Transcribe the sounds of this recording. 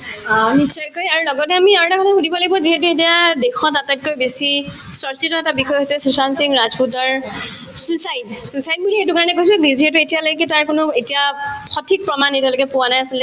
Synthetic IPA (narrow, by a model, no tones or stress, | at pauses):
nisɔjkojaɹulɔɡɔtɛamiaɹtabʱalɛxudibɔlaɡibɔziɦɛtuetijadexɔtatat̚kojbesi | sɔɹsitɔɛtabixɔjɦojsɛsusansiŋɹazputɔɹ | susajdsusajid̚bulixetukaɹɔnɛkojsuziɦɛtuetijaloɡikɛtaɹkʊnʊetijaxʰɔtʰik̚pɹɔmanetialoɡɛpʊwanajasɔltɛ